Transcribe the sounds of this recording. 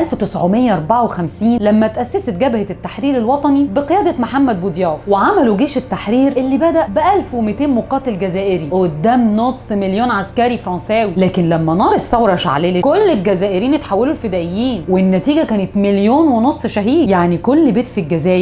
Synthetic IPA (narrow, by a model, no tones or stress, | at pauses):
ʔælft̪esʕomejːæʔɑɾˤbaʕawexæmsiːnlæmːæt̪ʔæsːæset̪ɡæbhet̪ːaħɾiːɾelwɑt̪ˤɑnibeqejæːd̪ɑmaħamːæd̪̚bod̪jæːfweʕamæluɡeːʃet̪ːaħɾiːɾʔelːibæd̪æʔbeʔælfwemet̪eːnmoqɑːt̪elɡæzæːʔeɾiʔod̪ːæːmnosˤːmeljoːnʕaskæɾifɾˤɑnsæːwilæːkenlæmːænɑːɾˤɑsæwɾˤɑʃa̰ʕleːlekolːelɡæzæːʔeɾiːnet̪ħawːælulfed̪æːʔejːiːnwenːæt̪iːɡækæːnet̪meljoːnwenosˤːʃæɦiːjaʕnikolːebeːt̪filɡæzæːjɾ